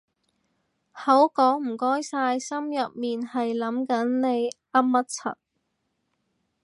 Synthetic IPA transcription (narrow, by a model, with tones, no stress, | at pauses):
hɐ˨˥wkɔː˨˥ŋm̩˨˩kɔː˥jsaː˧jsɐ˥mjɐ˨p̚miː˨nhɐ˨jlɐ˨˥mkɐ˨˥nne˨˧j | ɐ˥p̚mɐ˥t̚t͡sʰɐ̰˨˩t̚